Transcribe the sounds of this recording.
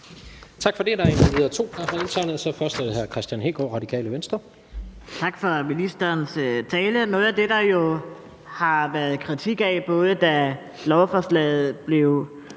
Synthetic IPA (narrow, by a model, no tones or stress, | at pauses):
t͡sʰɑ̈ɡ̥fɒ̽de̝æd̥ɑ̈eniʋeðˠɐt͡sʰo̝̰ːd̥ɑhɑe̝nt͡sʰɑɪnð̩ˠsɒ̽fɶɐsd̥ɛɦæɐkʰʁɛsd̥jænɦe̝ːɡ̥ɒ̰ːʁɑ̈d̥ikʰɛ̰ːləʋensd̥ʁɐ | t͡sʰɑ̈ɡ̥fɒ̽minisd̥ɐːnst͡sʰɛːlənɔ̽ːð̩ˠæd̥e̝d̥ɑ̈jo̝ | hɑ̈ʋæɐð̞̩ˠkʰʁit͡sʰiɡ̥æɪb̥ɔ̽ːð̞ˠəd̥æ | lɒʊfɒslɛ̰ːð̞̩ˠb̥le̝ʊ